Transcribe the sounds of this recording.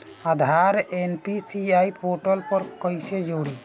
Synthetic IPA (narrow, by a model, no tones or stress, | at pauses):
ad̪ʱaɾenpisiajpʰoʈɔlpɔɾkɔjsɛd͡ʒɔwɽi